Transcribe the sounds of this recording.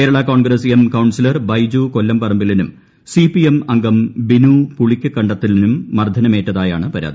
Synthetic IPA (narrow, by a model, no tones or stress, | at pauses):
kkeːɾɐɭɐkoːɳɡɾɐsemkɐwɳsilɐrbɐjd͡ʑuːko̞lːɐmpɐrɐmbilinum | sipijemɐŋɡɐmbinuːpuɭikʲːɨkɐɳɖɐt̪ːilinumːɐrd̪ʱːɐnɐmeːʈːɐðaːja̰ːɳɨpɐɾa̰ːd̪i